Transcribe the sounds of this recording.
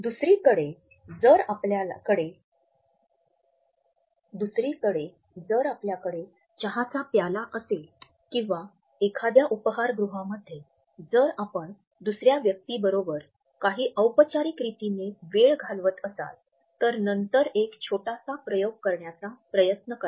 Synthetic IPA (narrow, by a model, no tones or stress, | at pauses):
d̪usɾiːkəɽe | d͡zəɾaplakəɽe | d̪usɾiːkəɽe | d͡zəɾapljakəɽe | t͡ɕəɦat͡sapjalaʔəsel | kĩʋa | ekʰad̪jaʔupəɦaɾɡɾuɦãməd̪ʱːje | d͡zəɾapəɳ | d̪usɾjaʋjək̚t̪iːbəɾobəɾ | kaɦiːʔəwpət͡ɕaɾikɾit̪ineʋeɭɡʱalʋət̪əsa̰l | t̪əɾnənt̪əɾekt͡ɕʰoʈasapɾəjoɡ̚kəɾɳjat͡sapɾəjət̪nəkə